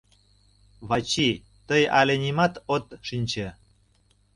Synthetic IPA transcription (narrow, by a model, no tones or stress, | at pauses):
βɑt͡ɕi | t̪əjɑlʲenʲimɑt̪ot̪ʃinʲt͡ɕe